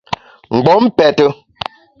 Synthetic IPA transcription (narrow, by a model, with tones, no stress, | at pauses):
ŋ͡m̩˨ɡ͡bɔ˨˦m̩˦pɛ˨tə˦